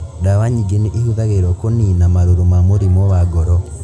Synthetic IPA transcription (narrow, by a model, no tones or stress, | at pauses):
dawaɲiɡeneʔehuðaɣeɾɔkoninamaɾoɾomamoɾimɔwaɡɔɾɔ